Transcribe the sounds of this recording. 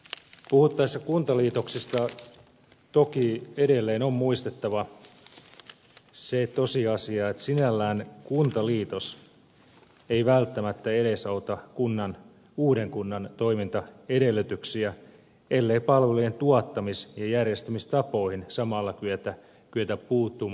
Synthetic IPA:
puhut̪ːɑisːɑkunt̪ɑliːt̪o̞ksist̪ɑ | t̪okiedelːeːnommuist̪et̪ːɑʋɑ | set̪osiɑsiɑːet̪sinælːæːnkunt̪ɑliːt̪os | eiʋælt̪ːæmæt̪ːæeɾesɑut̪ɑkunːɑn | uːdeŋkunːɑnt̪oimint̪ɑedelːˑyt̪yksiæ | elːeipɑlʋelujent̪uɑt̪ːɑmisjɑjærjest̪ymist̪ɑpoihinsɑmɑlːɑkyøt̪æ | kyøt̪æppuːt̪ːu

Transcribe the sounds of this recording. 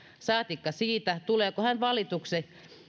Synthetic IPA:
sɑːt̪ikːɑsiːt̪æt̪uleːkohænʋɑlit̪ukse

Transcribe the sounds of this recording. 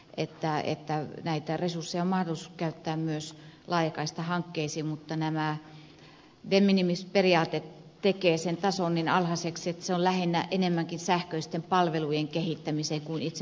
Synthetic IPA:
ʔet̪ːæḛt̪ːænæit̪æresursːejɑommɑhdolisukæyt̪ːæːmmyøslɑijɑkɑist̪ɑhɑŋkːeisiːmut̪ːɑnæmæ | demːinimisperiɑːt̪et̪t̪ːekeːsent̪ɑsonːinɑlhɑseksiet̪ːæ̥seollæhenːæʔenemːæŋkinsæhkøist̪empɑlʋelujeŋkehit̪ːæmiseŋkunit̪se

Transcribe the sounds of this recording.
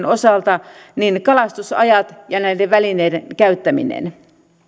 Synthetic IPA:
nosɑlt̪ɑninkɑlɑst̪usɑ̰jɑt̪jɑnæideʋʋælineidenkæyt̪ːæmḭnḛn

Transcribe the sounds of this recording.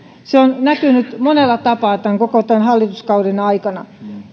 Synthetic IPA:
seonnækynyt̪monelːɑt̪ɑpɑːˑt̪æŋkokot̪ænhɑlːit̪uskɑurinɑikɑnɑ

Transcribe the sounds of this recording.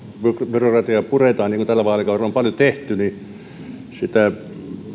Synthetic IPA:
bybyrokrɑt̪iɑpuret̪ɑːnniŋkunt̪ælːæʋɑːˑlːikɑoompɑljot̪eht̪yni | sit̪æ

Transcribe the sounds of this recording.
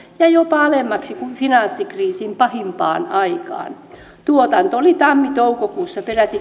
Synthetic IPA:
jɑjopɑɑlemːɑksikufinɑnsːikriːsimpɑhimpɑ̰ːnɑikɑ̰ːn | t̪uot̪ɑnt̪oolit̪ɑmːit̪oukokuːsːɑperæt̪i

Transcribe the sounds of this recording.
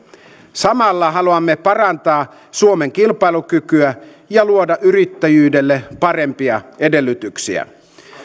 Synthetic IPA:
sɑmɑlːɑɦɑluɑmːe̞pɑrɑnt̪ɑː | suome̞ŋk̟ilpɑjlukykyæ | jɑluo̞dɑʔyɾit̪ːæjyːde̞lːepɑre̞mpiɑe̞de̞lːyt̪yksiæ̰

